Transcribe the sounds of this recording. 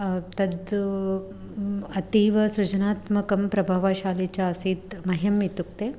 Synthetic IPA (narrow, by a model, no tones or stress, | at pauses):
t̪ɐd̪ | ɐt̪iːʋɐsɾut͡ʃɐnaːt̪mɐkɐmpɾɐbʱaʋaʃaːlit͡ʃaɐsiːt̪mɐɦɐmit̪uk̚t̪e